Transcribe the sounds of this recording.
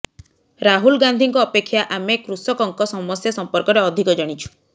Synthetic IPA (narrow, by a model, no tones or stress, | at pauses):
ɾaɦulɡand̪ʱiŋkɔːpekʰːjaʔamekɾusɔkɔŋkɔsɔmɔsjasɔmpɔɾkɔɾeɔd̪ʱikɔd͡ʒɔɽ̃it͡ʃʰu̥